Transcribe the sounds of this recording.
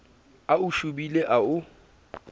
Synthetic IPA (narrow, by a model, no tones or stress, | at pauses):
aʊʃubileʔaʊ